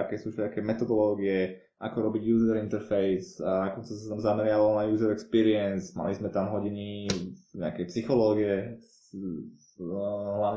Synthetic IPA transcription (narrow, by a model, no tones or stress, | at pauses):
akɛːsuːʃɛakɛːmɛt̪ɔd̪ɔlɔːɡiɛ | ʔakɔɾɔbiɟjuːzɛɾint̪ɛɾfɛjzanakɔnt͡sɛsat̪amzamɛɾɪaʋalnajuːzɛɾɛkspiːɾiɛnsma̰lizmɛt̪amɦɔɟiniɲɛa̰kɛjpsixɔlɔːɡijɛ | ɦlaʊɲ